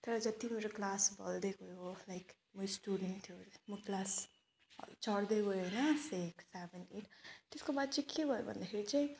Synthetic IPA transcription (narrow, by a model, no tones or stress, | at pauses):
t̪ʌɾʌd͡zʌt̪imeɾoklasbʌ̰ld̪eɡojolajk | mujsʈuɖent̪ʰijomuklas | t͡ʃʌɽd̪eɡojenʌseksebenɖeʈt̪eskobad̪̚t͡sekebʱʌjo̰bʱʌ̰nd̪axʰeɾit͡saĩ